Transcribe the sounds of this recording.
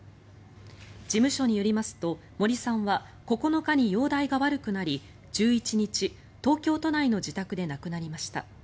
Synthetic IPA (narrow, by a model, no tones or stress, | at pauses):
d͡ʑimɯ̟ɕo̞ɲ̟ijoɾʲimasɨ̥t̪o̞ | mo̞ɾʲisãɰ̃βa | ko̞ko̞no̞kaɲ̟ijo̞ːd̪aiɡaβaɾɯ̟kɯ̟naɾʲi | d͡ʑɨːit͡ɕiɲ̟it͡ɕi | t̪o̞ːkʲo̞ːt̪o̞naino̞d͡ʑit̪akɯ̟d̪e̞nakɯ̟naɾʲimaɕi̥t̪a̰